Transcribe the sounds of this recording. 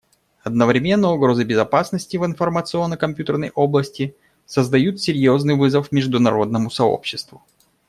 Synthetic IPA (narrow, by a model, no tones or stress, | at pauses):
ɐd̪̚nəvɾʲɪmʲe̞nːəjʊɡɾo̞zɨbʲɪzɐpasnəsʲtʲɪvɨnfərmət̪sɨo̞nːəkɐmʲpʲjut̪ərnə̰jʔo̞blˠəsʲtʲɪ | səzd̪ɐjut̪sʲɪɾʲjo̞znɨjvɨzəfmʲɪʐd̪ʊnɐɾo̞d̪̚nəmʊsɐo̰pɕːɪst̪vʊ